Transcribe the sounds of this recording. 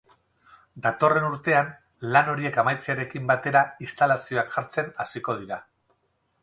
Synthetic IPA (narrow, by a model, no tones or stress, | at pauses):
d̪at̪o̞re̞nuɾt̪e̞an | lano̞ɾie̞kamajt͡seaɾe̞kimbat̪e̞ɾaist̪alasio̞akʝaɾt͡se̞nasiko̞ð̞iɾa